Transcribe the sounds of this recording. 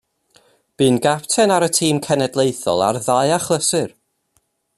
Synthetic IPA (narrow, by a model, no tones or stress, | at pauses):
b̥ɨːnɡaptʰɛnaɾətʰiːmkʰɛnɛdlˠejθɔ̰lˠa̰rðajaχlˠəsɨr